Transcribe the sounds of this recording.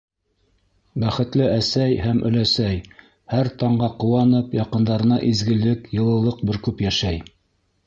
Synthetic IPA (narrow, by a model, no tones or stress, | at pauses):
bæχɘ̆t̪lɘʔæsæjhæmʔɵ̰̆læsæj | hæɾt̪ɑɴɢɑqŏwɑnɤpjɑqɤ̆nd̪ɑɾɤ̆nɑʔizɡɘ̆lɘkjɤ̆lˠɤ̆lˠɤq̚bɘɾkʉpjæʃæj